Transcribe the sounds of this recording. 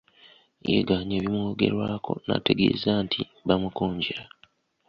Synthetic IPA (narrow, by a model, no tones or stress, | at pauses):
jḛɡaːɲeːβimoːɡe̞̰ɾwaːko̞na̰te̞ɡe̞̰ːzaːntʰiβamukoːɲɟeɾa